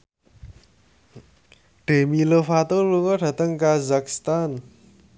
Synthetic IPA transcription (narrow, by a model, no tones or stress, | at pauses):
ɖ̥emilofat̪oluŋoɖa̤t̪əŋkazaki̥st̪an